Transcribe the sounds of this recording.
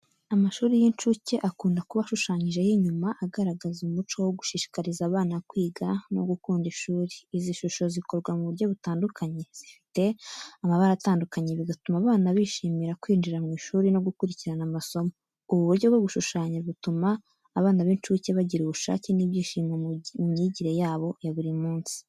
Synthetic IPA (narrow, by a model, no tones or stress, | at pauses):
amaʃuːɾijint͡ʃuːce̞ʔakuːndakuβaʃuʃaːɲiʒe̞jiɲumaʔaɡaɾaɡazumut͡ʃo̞woɡuʃiʃi̥kaɾizaːβaːnakwiːɡano̞̰ɡukuːndiʃuːɾiːziʃuʃo̞ziko̞ɾɡwamuβuɾjo̞βutaːndukaɲe̞z̥ifi̥te̞amaβaɾataːndukaɲe̞βiɡatumaβaːnaβiʃiːmiɾakwiːnd͡ʒiɾamŋiːʃuːɾino̞ɡukuɾiciɾanamaso̞mo̞ | uβuβuɾɟo̞ɡwoβuʃuʃaːɲiβutumaː | βaːnaβeːnt͡ʃiuceβaɟiɾuβuʃa̰ːceniβjiːʃiːmemumɲiɟiɾe̞jaːβo̞jaβuɾimuːnsi̥